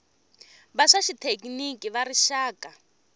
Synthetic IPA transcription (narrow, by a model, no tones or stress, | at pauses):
βaʂaʃitʰekʼinikiβaɾiʃaːkʼa